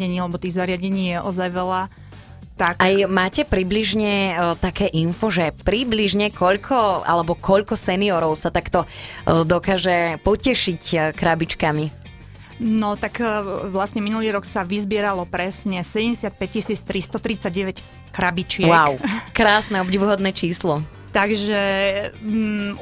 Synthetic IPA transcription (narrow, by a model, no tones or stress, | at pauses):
ɛɲiːalɛbɔt̪iːɣzaɾɪaɟɛɲiːjɛʔɔzajʋɛla | t̪akajmaːcɛpɾibliʒɲɛt̪akɛːʔinfɔʒɛpɾibliʒɲɛkʰɔʎkʰɔa̰lɛbɔkɔʎkɔsɛniɔɾɔʊsat̪akt̪ɔd̪ɔkaːʒɛpɔcɛʃickɾabit͡ʃkami | nɔt̪akʋlasɲɛminuliːɾɔksaʋizbɪɛɾalɔpɾɛsɲɛsɛɟɛmɟɛsɪat̪̚pɛc̚cisiːt͡st̪ɾist̪ɔt̪ɾit͡saɟɟɛʋɛc | kɾabit͡ʃɪɛwakʊkɾaːsnɛɔbɟiʋuɦɔd̪nɛːt͡ʃiːslɔ | t̪aɡʒɛ